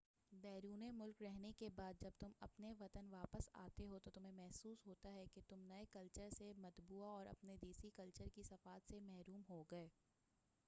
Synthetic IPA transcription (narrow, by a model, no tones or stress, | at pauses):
bɛːɾuːnemʊlkɾɛɦnekebaːd̪̚d͡ʒɐb̚t̪ʊmɐ̰pneʋɐt̪ənʋaːpəsa̰ːt̪eɦot̪ot̪ʊmẽmɛɦsuːsɦoːt̪aɦɛket̪ʊmnɐekɐlt͡ʃəɾsemɐt̪buːaɔːɾɐ̰pned̪iːsikɐlt͡ʃəɾkisɐfaːt̪semɛɦɾuːmɦoɡɐeː